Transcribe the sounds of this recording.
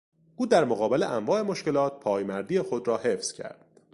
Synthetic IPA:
ʔuːd̪æɾmoɣɒːbe̞le̞ʔæɱvɒːe̞mo̞ʃce̞lɒːt̪̚pʰɒːjmæɾd̪iːexo̞d̪ɾɒːhe̞fz̥cʰæ̰ɾd̪̥

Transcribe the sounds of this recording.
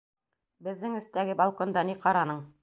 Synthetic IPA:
bɘ̆ðːɘŋɵ̆st̪æɡɘbɑlˠkond̪ɑniqɑɾɑnɤɴ

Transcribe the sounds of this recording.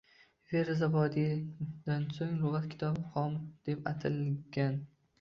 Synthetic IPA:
veɾazabɒd̪id̪̥ansoŋlʊʁat̪kʲʰɪ̥t̪ʰɒbχɒmd̪̥e̞pat̪ʰɪlˠɡʲan

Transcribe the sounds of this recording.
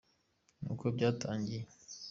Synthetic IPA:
nṵːkobɟaːtʰaːɲɟije

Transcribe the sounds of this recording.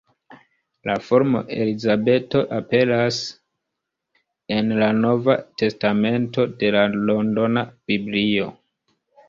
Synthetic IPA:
lafo̞ɾmo̞̰ʔe̞̰lizabe̞to̞ʔape̞las | e̞nlanovate̞stame̞nto̞de̞lalo̞ndo̞nab̥iblio̞̰

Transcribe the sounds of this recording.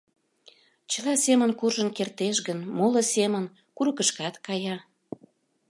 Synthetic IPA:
t͡ɕəlɑsemənkurʒənkert̪eʃɣənmolə̆semən | kuɾəkəʃkɑt̪kɑjɑ

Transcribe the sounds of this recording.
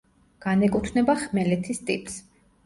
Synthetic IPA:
ɡ̥anɛkʼut̪ʰnɛbaχmɛlɛt̪ʰist̪ʼipʼs

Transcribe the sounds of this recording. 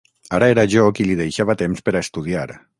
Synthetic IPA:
aɾaeɾaʒokilið̞ejʃaβ̞at̪emspeɾaest̪uð̞iaɾ

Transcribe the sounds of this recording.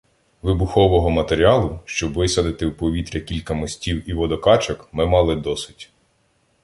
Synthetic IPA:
ʋɪbʊxɔʋɔɦɔmɐt̪eɾʲiɑlˠʊʃt͡ʃɔbʋɪsɐd̪ɪt̪ɪwpɔʋʲit̪ɾʲɐkʲilʲkɐmɔsʲtʲiwiʋɔd̪ɔkɑt͡ʃɐkmɪmɑlˠɪd̪ɔsɪ̥tʲ

